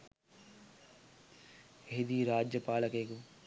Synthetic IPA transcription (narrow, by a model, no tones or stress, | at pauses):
ɦid̪iːɾaːd͡ʒjəpaːləkeːku